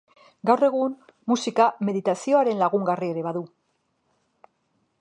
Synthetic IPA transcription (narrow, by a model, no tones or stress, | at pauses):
ɡawre̞ɣ̞um | musikame̞ðit̪asio̞aɾe̞nlaɣuŋɡarie̞ɾe̞βaðu